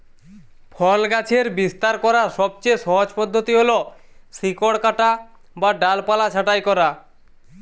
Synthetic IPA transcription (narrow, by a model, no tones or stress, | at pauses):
pʰɔlɡat͡ɕʰeɾbist̪aɾkɔɾaʃɔb̚t͡ɕeʃɔɦod͡ʑpɔd̪ʱːot̪iɦolo | sikoɽkaʈa | baɖalpalat͡ɕʰaʈajkɔɾa